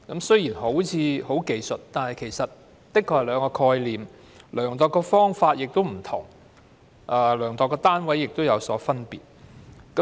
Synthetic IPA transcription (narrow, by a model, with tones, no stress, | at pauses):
kɐ˨˥msɵ˥jiː˨˩nɦo˨˥wt͡sʰiː˨˧ho˨˥wke˨˧jsɵ˨t̚t̪aː˨˩nhɐ˨jkʰe˨˩jsɐ˨t̚ | t̪ɪ˥kʰːɔː˧hɐ˨˩lœː˨˧ŋkɔː˧kʰɔː˧jliː˨m | lœː˨˩ŋt̪ɔː˨˩kːɔː˧fɔː˥ŋfaː˧t̚jɪ˨k̚t̪o˥wm̩˨˩t̪ʰʊ̰˨˩ŋ | ʔaː˧lœː˨˩ŋt̪ɔː˨˧kːɔː˧t̪aː˥nwɐ˨˥jːɪ˨k̚t̪o˥wjɐ˨˧wsɔː˨˥fɐ˥npiː˨t̚kɐ˨˦